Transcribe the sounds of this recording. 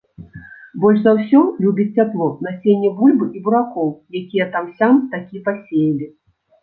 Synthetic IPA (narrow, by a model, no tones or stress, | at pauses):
bɔlʲʐzawsʲɔlʲubʲit͡sʲt͡sʲaplˠɔnɐsʲenʲːɛbulʲbɨʔibuɾakɔwjakʲijɛt̪amsʲamt̪akʲipasʲejɐlʲi